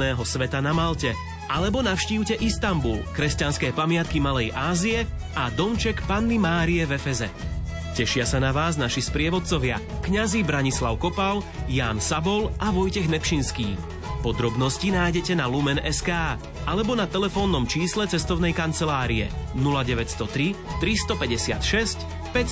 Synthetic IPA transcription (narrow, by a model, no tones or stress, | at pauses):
nɛːɦɔsʋɛt̪anamalcɛ | ʔalɛbɔnafʃciːʊcɛʔist̪ambulkɾɛscanskɛːpamɪat̪kimalɛjʔaːzijɛ | ad̪ɔmt͡ʃɛkpanːimaːɾiɛvɛfɛzɛ̰ | cɛʃɪasanaʋaːznaʃispɾɪɛʋɔt̪̚t͡sɔʋɪa | kɲazibɾaɲislaʊkɔpaljaːnsabɔlʔaʋɔjcɛɣnɛpʃinskiː | pɔd̪ɾɔbnɔscinaːjɟɛcɛnalumɛnɛskaː | ʔalɛbɔnat̪ɛlɛfɔːnːɔmt͡ʃiːslɛt͡sɛst̪ɔʊnɛjkant͡sɛlaːɾiɛ̰nulaɟɛʋɛcst̪ɔt̪ɾit̪ɾist̪ɔpɛɟɛsɪa̰t̪ʃɛsc | pɛ